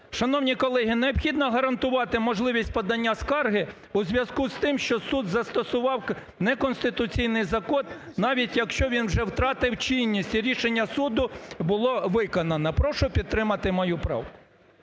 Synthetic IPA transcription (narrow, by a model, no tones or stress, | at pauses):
ʃɐnɔwnʲikɔlˠɛɦineɔbxʲid̪nɐɦɐɾɐnt̪ʊʋɑt̪ɪmɔʒlˠɪʋʲisʲtʲpɐd̪ɐnʲːaskɑrɦɪ | uzʲʋʲjɐzkust̪ɪmʃt͡ʃɔsud̪zɐst̪ɔsʊʋɑw | nɛkɔnst̪ɪt̪ʊt͡sʲijnɪjzɐkɔn | nɑʋʲitʲjɐkʃt͡ʃɔʋʲinwʒɛwt̪ɾɑt̪ɪwt͡ʃinʲːisʲtʲiɾʲiʃenʲːɐsud̪ʊbʊlˠɔʋɪkɔnɐnɐpɾɔʃʊpʲid̪̚t̪ːɾɪmɐt̪ɪmɔjupɾɑ̰wkʊ̥